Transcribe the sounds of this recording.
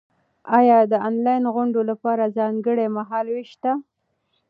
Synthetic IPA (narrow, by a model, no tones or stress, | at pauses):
ɑjɑd̪əɑnlɑjnɣʊɳɖolapɑɾazɑŋɡəɽemaɦɑlweʃt̪a